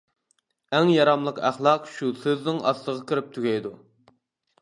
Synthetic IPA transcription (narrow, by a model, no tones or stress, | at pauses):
ɛŋjɑɾɑmlˠəqæχlˠɑqʃusøznɪŋʔɑ̰slˠəʁɑkʲʰiɾɪp̚t̪ʰyɡʲɛjd̪u